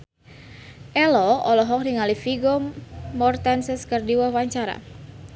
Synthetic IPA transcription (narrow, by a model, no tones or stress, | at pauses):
ʔɛlɔɔlɔɦɔk̚niŋalifiɡɔmɔrt̪ansɛskərdiwahwaɲt͡ʃaɾa̰